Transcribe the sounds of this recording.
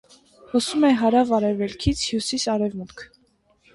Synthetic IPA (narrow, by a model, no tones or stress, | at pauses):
hɔsumɛɦɑɾɑvɑɾɛvɛlkʰit͡sʰhjusisɑɾɛvmut̪kʰ